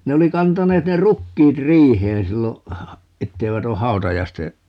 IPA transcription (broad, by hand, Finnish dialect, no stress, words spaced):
ne oli kɑntɑneːt ne rukːiːt riːheːn silːo etːeiʋæt o hɑu̞tɑjɑiste